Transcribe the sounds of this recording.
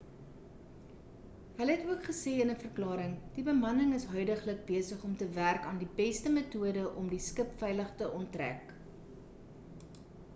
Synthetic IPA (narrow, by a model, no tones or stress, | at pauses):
ɦələɦɛtuəkχəsɛːənəfərklɑːɾəŋd̥ibəmɐnəŋəsɦœɥdəχlək̚biəsəχɔmtəværkɑːndibɛstəmətuədəʔɔmdiskəpfɛjləχtəʔɔntræ̰k